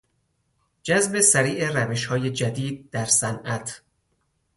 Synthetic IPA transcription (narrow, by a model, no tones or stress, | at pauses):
d͡ʒæzbe̞sæɾiːʔeræve̞ʃhɒːje̞d͡ʒæd̪iːd̪̚d̪æɾsænʔæt̪ʰ